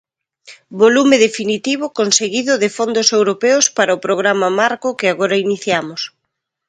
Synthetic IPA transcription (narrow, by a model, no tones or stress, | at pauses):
bolumɪðefinit̪iβʊkonseɣiðʊðɪfond̪ʊsewɾopɛʊspaɾɐʊpɾoɣɾamɐmaɾkʊkɪaɣoɾɐiniθjamʊs